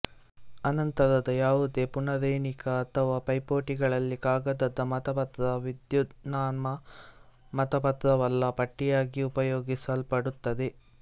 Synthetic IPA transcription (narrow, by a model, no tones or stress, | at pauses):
ɐnɐnt̪ɐɾɐd̪ɐjaːʋud̪e̞ːpuɳɐɾɐjɳikɐːt̪ʰɐʋaːpɐjpoːʈiɡɐɭɐlːikaːɡɐd̪ɐd̪ːɐmɐt̪ɐpɐt̪ɾɐʋid̪jud̪naːnmɐ | mɐt̪ɐpɐt̪ɾɐʋɐlːɐpɐʈːijaːɡiupɐjoːɡisɐlpɐɽut̪ːɐd̪e̞